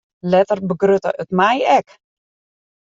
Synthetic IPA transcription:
lɛtərbəɡrøtə̰ʔətmɛjɛk

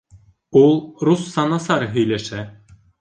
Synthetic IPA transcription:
ulˠɾusːɑnɑsɑɾɤɦɵ̆jlæʃæ

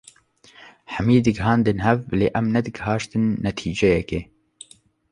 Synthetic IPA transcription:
ħɛmiːd̪ɨɡɦɑːnd̪ɨnhɛvlḛːʔɛmnɛd̪ɨɡhɑːʃt̪ɨnːɛt̪ʰiːd͡ʒɛjɛkeː

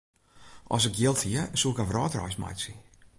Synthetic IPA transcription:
ʔɔ̰s̬ɪkjɪlˠthiəsuɪkɔfrɔːtrɔ̰jsma̰jsi

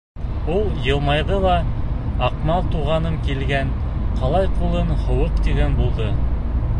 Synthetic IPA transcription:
ulˠjɤ̆lˠmɑjðɤlˠɑɑqmɑlˠt̪uʁɑnɤmkilɡænqɑlˠɑjqulˠɤnhŏwɤqt̪iɡænbulˠd̪ɤ

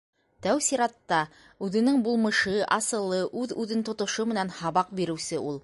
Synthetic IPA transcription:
t̪æwsiɾɑt̪ːɑ | ʉðɘ̆nɘŋbulˠmɤ̆ʃɤʔɑsɤ̆lˠːɤʔʉðʉðɘnt̪ŏt̪ŏʃomɘ̆nænhɑβɑq̚biɾɘ̆wsɘulˠ

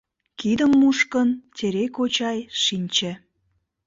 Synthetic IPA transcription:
kid̪əmːuʃkəntʲeɾekot͡ɕɑjʃinʲt͡ɕĕ

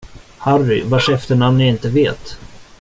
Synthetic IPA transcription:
harːɪvaʂɛft̪əɳamnɪɪnt̪əveːt̪

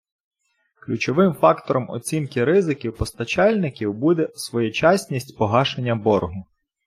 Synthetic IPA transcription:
klʲut͡ʃɔʋɪmfɑkt̪ɔɾɔmɔ̰t͡sʲinkɪɾɪzɪkʲiwpɔst̪ɐt͡ʃɑlʲnɪkʲiwbud̪ɛsʋɔjɛt͡ʃɑsʲnʲisʲtʲpɔɦɑʃenʲːɐbɔrɦʊ

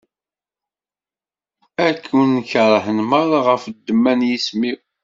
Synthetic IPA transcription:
ækʰːunːçəɾˤhənməɾˤaʁəfd̪ːəmːænjismiw

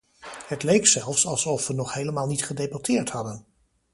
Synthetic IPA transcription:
hətlejksɛlˠfsɑlˠsɔfʋənɔχhejləmaːlˠnitχədejbatɪːɹthɑdən

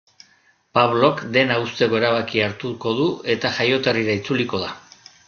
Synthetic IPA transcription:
paβlo̞kd̪e̞naust̪e̞ɣo̞eɾaβ̞akiaɾt̪uko̞ðue̞t̪aʝajo̞t̪eriɾait͡suliko̞ð̞a

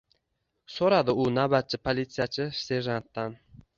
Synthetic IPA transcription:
soɾad̪ɪʊnabat̪̚t͡ʃʰɪpʰolʲit̪sijat͡ʃʰɪse̞ʒant̪ːan

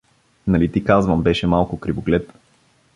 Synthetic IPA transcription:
nɐlit̪ikazvəmbɛʃɛmalˠkʊkɾiboɡlɛt̪

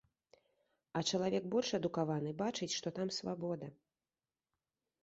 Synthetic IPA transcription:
ɐt͡ʂɐlˠavʲɛkbɔlʲʂɐd̪ukavanɨbat͡ʂɨt͡sʲʂt̪ɔt̪amsvabɔd̪ɐ

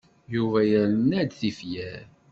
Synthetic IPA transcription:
juvæjəɾnæd̪θifjæɾ

